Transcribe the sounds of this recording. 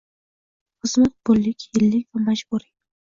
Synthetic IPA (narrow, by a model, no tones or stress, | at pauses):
χɨzmat̪̚bʊlːɪkʲhɪlːɪkʲvamad͡ʒbuɾi